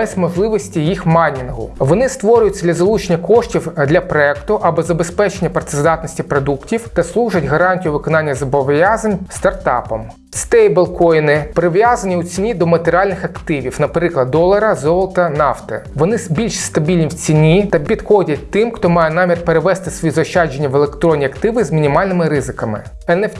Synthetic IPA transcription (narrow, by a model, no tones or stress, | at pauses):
ɛsʲmɔʒlˠɪʋɔsʲtʲijixmɑnʲinɦʊ̰ʋɔnɪst̪ʋɔɾʲʊjʊtʲd̪lʲɐzɐlˠut͡ʃenʲːɐkɔʃtʲiwd̪lʲɐpɾɔɛkt̪ʊʔɐbɔzɐbespɛt͡ʃenʲːɐpɾt̪ezd̪ɑt̪nɔsʲtʲipɾɔd̪uktʲiwt̪ɐslˠuʒɐtʲɦɐɾɑnʲtʲijʊʋɪkɔnɑnʲːɐzɐbɔʋjazɐnʲst̪ɐrt̪ɑ̰pɔm | st̪ɛjbelˠkɔjnɪpɾɪʋjazɐnʲiut͡sʲinʲid̪ɔmɐt̪eɾʲɪɑlʲnɪxɐkt̪ɪʋʲiwnɐpɾɪklˠɐd̪̚d̪ɔlˠɐɾɐzɔlˠt̪ɐnɑft̪ɪ̰ʋɔnɪbʲilʲʃst̪ɐbʲilʲnʲiwt͡sʲinʲit̪ɐpʲid̪xɔdʲɐt̚ʲt̪ɪmxt̪ɔmɑjɛnɑmʲirpeɾeʋɛst̪ɪsʋɔjizɔʃt͡ʃːɑd͡ʒenʲːɐʋelˠekt̪ɾɔnʲːiɐkt̪ɪʋɪzmʲinʲimɑlʲnɪmɪɾɪzɪkɐmɪ̰ | ɛnɛf